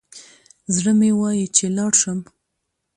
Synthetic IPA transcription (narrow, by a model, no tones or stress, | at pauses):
zɽəmewɑjit͡ʃelɑɽʃəm